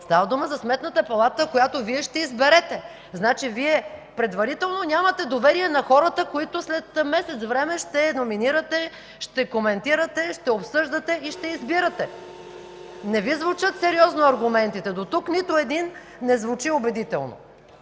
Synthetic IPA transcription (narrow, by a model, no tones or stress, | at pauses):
st̪avɐd̪uməzɐsmɛt̪nət̪əpɐlˠat̪əkojat̪oviɛʃt̪ɛizbɛɾɛt̪ɛ | znat͡ʃiviɛpɾɛd̪vɐɾit̪ɛlˠnonʲamət̪ɛd̪ovɛɾiɛnɐxɔɾət̪əkoit̪ʊslɛt̪mɛsɛt̪svɾɛmɛʃt̪ɛnominiɾət̪ɛ | ʃt̪ɛkomɛnt̪iɾɐt̪ɛʃt̪ɛopsɤʒd̪ət̪ɛiʃt̪ɛizbiɾɐt̪ɛ | nɛvizvut͡ʃət̪sɛɾiɔznoɐɾɡʊmɛnt̪it̪ɛd̪ot̪uknit̪ʊɛd̪inː | ɛzvut͡ʃiobɛd̪it̪ɛ̰lˠno̰